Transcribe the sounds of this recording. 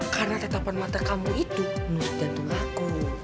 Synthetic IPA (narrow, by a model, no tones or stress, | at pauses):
karnat̪ət̪apanmat̪akamuit̪umusd̪̥ant̪uŋakɔ